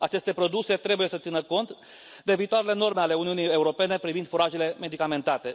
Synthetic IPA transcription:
at͡ʃe̞st̪e̞pɾo̞d̪use̞t̪ɾe̞buje̞sət̪sinəko̞nt̪ | d̪e̞viːt̪oaɾele̞no̞rmeale̞uniunije̞uɾo̞pe̞ne̞pɾivind̪fuɾaʒele̞me̞d̪ikame̞nt̪at̪e̞

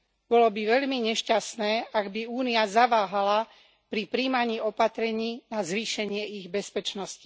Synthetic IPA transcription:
b̥ɔlɔbiʋɛʎmiɲɛʃcast̪nɛːʔaɡbiuːniazaʋaːɦala | pɾipɾiːmaɲiːɔpat̪ɾɛɲiːnazʋiːʃɛɲɪɛiɣbɛspɛt͡ʃnɔsci̥

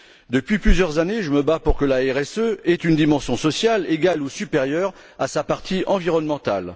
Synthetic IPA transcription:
d̪əpɥiplyzjœʁzaneʒəməbapuʁkəlaɛʁɛsøɛt̪ynd̪imɑ̃sjɔ̃sɔsjaleɡalusypeʁjœʁ | asapaʁt̪ʰiʔɑ̃viʁɔnmɑ̃t̪al

